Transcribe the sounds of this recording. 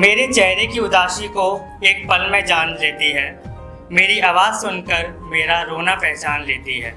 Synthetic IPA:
meːɾet͡ʃɛɦɾekiʊd̪aːʃiko | eːk̚pɐlmẽd͡ʒaːnleːt̪iɦɛː | meːɾiaːʋaːzsʊnkəɾ | meːɾaɾoːnapɛɦt͡ʃaːnleːt̪iɦɛ̰ː

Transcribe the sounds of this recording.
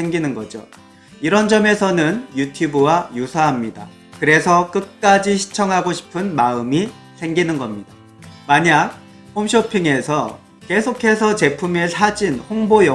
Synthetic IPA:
se̞ŋɡinɯnɡʌd͡ʑo̰ | iɾʌnd͡ʑʌme̞sʰʌnɯnjutʰjubɯwajusʰaɦamɲida | kɯɾe̞sʰʌk͈ɯt̚k͈ad͡ʑiɕʰi̥t͡ɕʰʌŋɦaɡoɕʰi̥pʰɯnmaɯmi | sʰe̞ŋɡinɯnɡʌmɲida | maɲaɡ̚ | homɕʰʌpʰiŋe̞sʰʌ | ke̞sʰokʰe̞sʰʌt͡ɕe̞pʰumesʰad͡ʑinhoŋbojʌ

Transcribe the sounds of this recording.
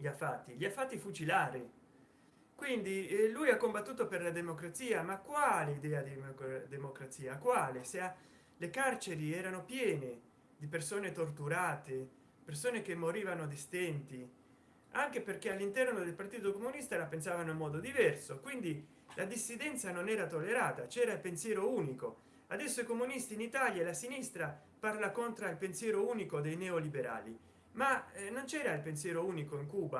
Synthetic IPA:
ʎiafːat̪ːiʎiafːat̪ːifut͡ʃilaːɾi | kwind̪ilujakːombat̪ːuːt̪operlad̪emokɾat̪siːamakːwaːleid̪ɛːad̪id̪emokɾat̪siːakwaːlesea | lekart͡ʃeɾiɛːɾanopjɛːne | d̪ipersoːnet̪ort̪uɾaːt̪e | persoːnek̟emːoɾiːvanod̪ist̪ɛnt̪i | aŋk̟eperkealːint̪ɛrnod̪elpart̪iːt̪okomunist̪alapensaːvanoimːɔːd̪od̪ivɛrsokwind̪i | lʔad̪isːid̪ɛnt̪sanonɛːɾat̪olːeɾaːt̪at͡ʃɛːɾailpensjɛːɾouːniko | ad̪ɛsːoikomunist̪iːnit̪aljaelasinist̪ɾa | parlakont̪ɾailpensjɛːɾouːnikod̪ejnɛolibeɾa̰ːlḭ | manont͡ʃɛːɾailpensjɛːɾouːnikoiŋkuːba

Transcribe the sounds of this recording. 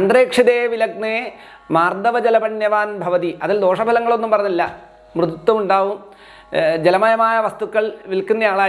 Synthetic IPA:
ɐnd̪reːkʂiðeːʋilɐɡ̚neː | maːrd̪ɐʋɐd͡ʑɐlɐbɐnjɐʋaːnbʱɐʋɐðiʔɐðild̪o̞ːʂɐbʱɐlɐŋːɐɭo̞nːumpɐrɐɲːilːɐ | mrɨðut̪ːɐmuɳɖaːʋum | d͡ʑelɐmɐjɐmaːjɐʋɐst̪ukːɐɭʋilkunːɐjaːɭaː

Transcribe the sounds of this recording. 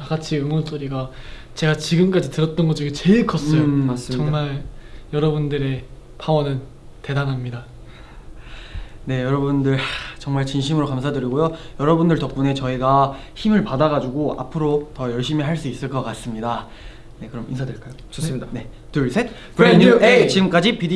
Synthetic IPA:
aɡat͡ɕʰiɯmons͈oɾiɡa | t͡ɕe̞ɡat͡ɕiɡɯmk͈ad͡ʑitɯɾʌt̚t͈ʌnɡʌd͡ʑiɡit͡ɕe̞ɭk͈ʰʌs͈ʌjoas͈t͡ɕʌŋmaɭjʌɾʌbundɯɾe̞ | pʰawʌnɯn | te̞danɦamɲida | ne̞jʌɾʌbundɯɭt͡ɕʌŋmaɭt͡ɕinɕ̬ʰimɯɾokams̬ʰadɯɾiɡojojʌɾʌbundɯɭtʌp̚k͈une̞t͡ɕʌiɡaçimɯɭpadaɡad͡ʑuɡoa̰pʰɯɾotʌjʌɭɕ͈imiɦaɭs͈uis͈ɯɭk͈ʌk͈as͈ɯmɲida | ne̞kɯɾʌminsʰadweɭk͈ajo | ʌdane̞ | tuɭsʰet | pɾeɲuet͡ɕiɡɯmk͈ad͡ʑipid

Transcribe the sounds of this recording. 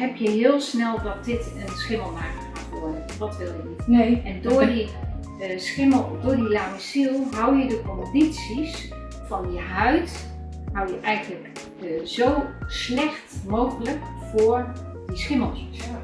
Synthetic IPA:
ɦɛpjəɦɪəlˠsnɛlˠdɔt̚dɪtənsχɪməlˠmaːkəxa̰tʋʊədəndɔtʋɪlˠjənitʔɛndʊdi | sxɪməlˠdʊːɹdilaːməsilˠɦawjədəkɔndisis | fɔnjəɦœɥt | hawjəʔɛjɣənlək | zowslɛxtmoːɣələk | fʊɹdisχɪməlˠmis

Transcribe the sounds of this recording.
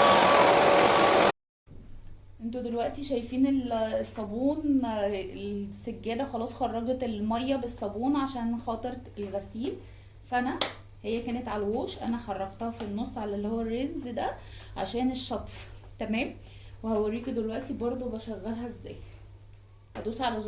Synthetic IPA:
ʔent̪od̪elwæʔt̪iʃæjfiːnelsˤːɑbuːn | esæɡːæːd̪æxɑlɑːsˤxɑrˤːɑɡɑt̪elmɑjːæbesˤːɑbuːnʕaʃæːnxɑːt̪ˤeɾelɣæsiːl | fæʔænæ | hejːækæːnet̪ʕalæwoːʃʔæ̰næħɑrˤːɑɡt̪ɑhɑfinːosˤːʕalælːihowːærːenzd̪æ | ʕa̰ʃæːneʃːɑt̪ˤft̪æmæːm | wehæwæɾːiːkd̪elwæʔt̪ibɑɾˤd̪ˤobæʃæɣːælɦæezːæ̰ːj | hæd̪uːsʕalæz

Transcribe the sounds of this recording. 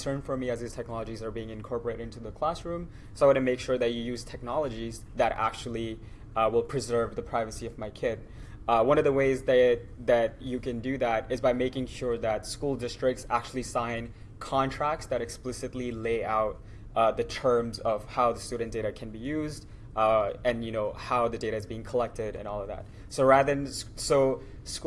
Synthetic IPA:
sɜ̃˞nfə˞miɨzɨz̥tʰɛk̚nɑlˠəd͡ʒizə˞biɪ̃ŋɨ̃nkʰɔɹpə˞eɾɨɾɪ̃ntʉðəkʰl̥æsɹʉ̃m | soawʌɾɨmeɪkʃʊɹðɨt͡ʃɨjʉz̥tʰɛk̚nɑlˠəd͡ʒiz | ðɨɾæ̰k̚t͡ʃul̩ˠi | wɪlˠpʰɹ̥ɨzɜ˞vðɨpʰɹ̥aɪvɨsiʌvmaɪkʰɪd̚ | wʌ̃nʌvðəweɪzðɨt̚ | ðɨt͡ʃɨkɨ̃ndɨðæɾɨzbaɪmeɪkɪ̃ŋʃʊɹðɨtskulˠdɪstɹ̥ɪk̚tsæ̰k̚t͡ʃʉl̩ˠisãɪ̃n | kʰɑ̃ntʰɹ̥æk̚tsðɨɾɨksplɪsɨtˡlileɪaʊt̪̚ | ʔðɨtʰɜ̃˞mzʌv̥haʊðɨstʉdⁿn̩d̥eɪɾɨkʰɨ̃nbijʉzd | ɨ̃njɨnoʊhaʊðɨdeɪɾɨɨzbiɪ̃ŋkʰəlɛk̚tɪɾɨ̰̃nɔlˠʌvðæ̰t̚ | soʊɹæðə˞nsoʊ | s

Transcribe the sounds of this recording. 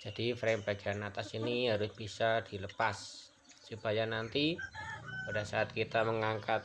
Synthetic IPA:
d͡ʒ̥adifɾɛŋpaɡanat̪asiniɦaɾʊsb̥isad̥iləpasː | upajanant̪i | padasaʔːt̪̚kit̪aməŋaŋkat̪̚

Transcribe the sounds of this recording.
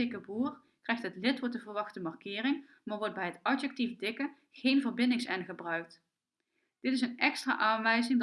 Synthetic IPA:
ɪkəbuːr | krɛjxtɦətlɪtʋɔɹtdəvərʋɑχtəmɑrkɪːrɪŋ | maːɹʋɔɹt̚bɛjɦətɑdjɛk̚tivdɪkə | χejnvərbɪndɪŋsɛnχəbrœɥk̚t | d̥ɪtɪs̬ənɛkstra̰ːʔaːnʋɛjzɪŋ

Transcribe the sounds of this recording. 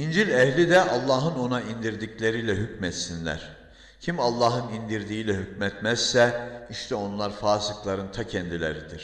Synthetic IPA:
ind͡ʒilʲɛhlʲid̪ɛʔɑlˠːaːɦɯno̞naind̪iɾd̪iclʲeɾilʲɛɦycmɛt̪sinlʲæ̰ɾ̥ | cʰimalˠːɑːɦɯnind̪iɾd̪iːilʲɛhycmɛt̪mæz̥sɛiʃt̪ʰɛo̞nlˠaɾfaːsɯklˠaɾɯnt̪ʰacʰɛnd̪ilʲḛɾid̪iɾ̥

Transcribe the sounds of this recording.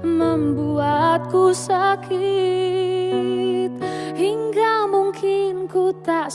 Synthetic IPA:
məmbuat̪̚kusakʰi | t̪̚hiŋɡamuŋkʰɪnkut̪a

